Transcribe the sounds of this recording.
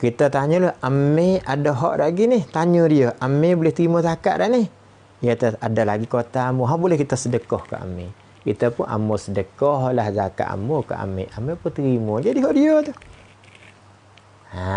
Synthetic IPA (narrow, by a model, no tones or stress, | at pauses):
kit̪at̪aɲoloʔameadoɦɔ̰ʔdaʔɡinɪht̪aɲodioʔamebulɪht̪əɾimotaka̰ʔda̰ʔnɪh | ijat̪aadalaɡikot̪aːmoɦaʔbulɛhkit̪asədəkɔhka̰ʔa̰mḛ | kit̪apʊna̰mosədəkɔhlahzaka̰ʔa̰moka̰ʔa̰mḛʔamepʊt̪əɾimod͡ʒadiɦɔʔdiot̪uh | a